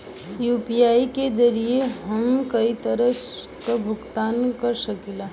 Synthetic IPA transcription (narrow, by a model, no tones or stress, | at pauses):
jupijaiked͡ʒəɾijeɦəmkəit̪əɾəs | kəbʱuɡt̪ankəɾsəkila